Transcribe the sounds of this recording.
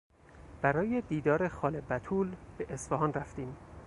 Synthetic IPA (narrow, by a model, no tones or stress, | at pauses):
b̥æɾɒːjed̪iːd̪ɒːɾe̞xɒːlebæt̪ʰuːlb̥eʔesfæɦɒːnræft̪iːm